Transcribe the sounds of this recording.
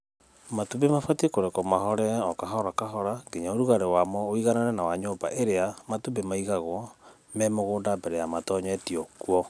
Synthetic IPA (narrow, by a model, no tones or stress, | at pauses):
matubemafatikoɾekɔmaɦɔɾɛɔkaɦɔɾakaɦɔɾaɡeɲaoɾuɣaɾewamɔːiɣanaɾɛnawaɲoːbaʔeɾeamatubemaiɣaɣɔ | mɛmoɣoːndabɛɾɛjamatɔɲwɛtiɔkuɔ